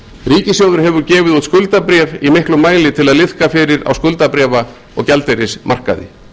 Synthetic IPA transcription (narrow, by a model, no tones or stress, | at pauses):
riːcɪsjowðʏɾ̥ɦɛvʏɾcɛːvɪðut̪skʏlt̪apɾjɛvimɪhklʏmaːjlɪt̪ʰɪlaðlɪð̥kafɪɾɪɾa̰wskʏlt̪apɾjɛːva | ɔ̰ɣcɛlt̪ejɾɪsmʔa̰r̥ka̰ðɪ̰